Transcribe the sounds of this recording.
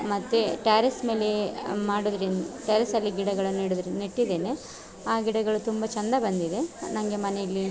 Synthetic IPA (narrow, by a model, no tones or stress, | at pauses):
mɐt̪ːeʈaːɾesme̞ːlemaːɽud̪ɾenʈeːɾɐsɐlːiɡiɽɐɡɐɭɐniːɽud̪ɾeneʈːid̪e̞ːne | aːɡiɽɐɡɐɭut̪umbɐt͡ʃɐnd̪ɐbɐnd̪iðe̞nɐŋɡe̞mɐnejilːi